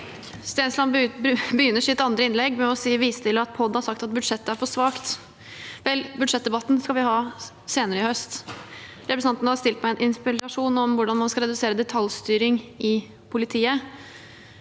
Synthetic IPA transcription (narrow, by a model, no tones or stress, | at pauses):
st̪eːnslɑnbəjʏnːəʂɪt̪ːəɑnd̪ɾəɪnlɛɡːmɛɔsiːʋiːst̪ʰɪləɑt̪̚pʰɔd̪nhɑɾʂɑkt̪ɑt̪bʉd̪ʂɛt̪ːəæɾfɔʂʋɑːkt̪ | ʋɛlbʉd̪ʂɛt̪̚d̪ɛbɑt̪ːn̩skɑʋɪhɑː | seːnəɾəɪhœst̪ | ɾɛpɾəsn̩ɑnt̪n̩hɑʂt̪ɪlt̪mɛɛnʔɪnspɪɑʂuːnɔmʋʊɖɑnmɑnskɑɾɛd̪ʉseːɾəd̪ɛt̪ʰɑlst̪yːɾɪŋʔɪ | pʰʊlɪt̪ʰiːə